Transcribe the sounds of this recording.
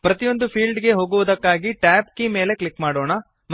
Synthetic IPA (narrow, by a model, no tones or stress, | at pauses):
pɾɐt̪ijo̞nd̪upʰiːlɖɡe̞ɦo̞ːɡuʋɐd̪ɐkːaːɡiʈaːpkime̞ːle̞klikːmaːɽoːɳɐ | m